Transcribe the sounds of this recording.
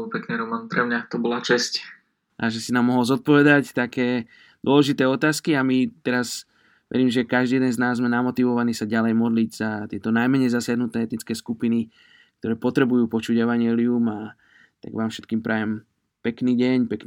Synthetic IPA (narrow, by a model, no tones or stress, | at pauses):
pɛkniɾɔmanpɾɛmɲat̪ɔbɔlat͡ʃɛsc | ʔaʒɛsinaːmːɔɦɔlzɔt̪̚pɔʋɛd̪act̪akɛː | d̪ʊɔlɛʒit̪ɛːɔt̪aːskiamit̪ɛɾaz | ʋɛ̰ɾiːmʒɛkaʒd̪ijɛd̪ɛnznaːzːmɛnamɔt̪iʋɔʋaniːsaɟalɛjmɔd̪liɟz̥at̪ɪɛt̪ɔnajmɛɲɛjzasɪaɦnut̪nɛːɛt̪nit͡skɛːskupini | k̚t̪ɔɾɛːpɔt̪ɾɛbujuːpɔt͡ʃuɟɛʋaɲɪɛːliuma | t̪a̰ɡʋaːmfʃɛ̥t̪kiːmpɾʔajɛm | pɛkniːɟɛɲpɛk